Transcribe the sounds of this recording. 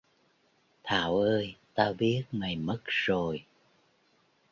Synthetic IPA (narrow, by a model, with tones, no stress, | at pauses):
t̪ʰaː˧˩˦wʔəː˧jt̪aː˧ɓi˦˥ət̚ma˨˩jmə˦˥t̚z̥o˨˩j